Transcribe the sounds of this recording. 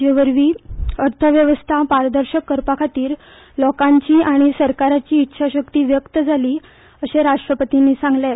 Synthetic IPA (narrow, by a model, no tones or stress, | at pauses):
jəʋəɾʋiːəɾt̪ʰəʋjəʋəst̪ʰapaɾd̪əɾɕəkːəɾpakʰat̪iːɾ | lɔkãɲt͡ɕiːʔaɽ̃isəɾkaɾat͡ɕiːtːɕʰaɕəkt̪iːʋjəkt̪əd͡zʱaliː | əɕeɾaʂʈɾəpət̪iniːsãŋɡle